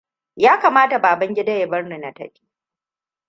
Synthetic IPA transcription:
jaː˦kaː˨maː˦ta˨baː˨bɐ˦ŋɡʲɪ˦da˦je˨bɐ˦rni˨na˨tɐ˦ɸʲi̥ː˦

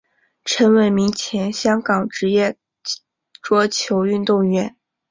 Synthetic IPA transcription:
ʈ͡ʂʰə˧˥nwə˧˥nmi˧˥ŋt͡ɕʰjɛ˧˥nɕjɑ˥ŋkɑ˨˩ŋʈ͡ʂɻ̩˧˥jɛ˥˩ | ʈ͡ʂwɔ˥t͡ɕʰjo˧˥ʊy˥˧nt̪ʊ˥˩ŋɥɛ˧˥n

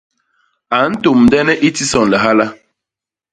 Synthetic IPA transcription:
a˨n̩˦to˨m̩˨dɛ˦nɛ˦ʔi˦ti˦sɔ˨n̩˨lɛ˨ɦa˦la˦

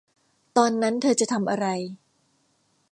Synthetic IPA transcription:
t̪ɔː˧nːa˦˥nt̪ʰɤː˧t͡ɕa˨ʔt̪ʰa˧mʔa˧ɾa˧j

